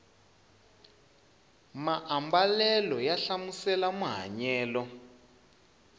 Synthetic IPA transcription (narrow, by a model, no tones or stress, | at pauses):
maʔambalɛlɔjaɬamusɛlamuɦa̰ɲɛːlɔ